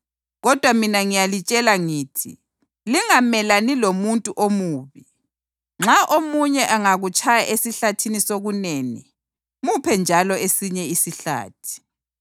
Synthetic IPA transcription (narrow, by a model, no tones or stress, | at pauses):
ɣɔd̥ʱwaminaŋijalit͡ʃʼɛlaŋiːtʰḭ | liŋamɛlanilomuntʼuʔomuːβi | ŋ͡ǁʱaʔomuɲɛʔaŋaɣut͡ʃʰʼajaʔesiɬatʰinisoɣuneːnḭ | mupʰɛnd͡ʒʱalɔesiɲɛisiɬa̰ːtʰi̥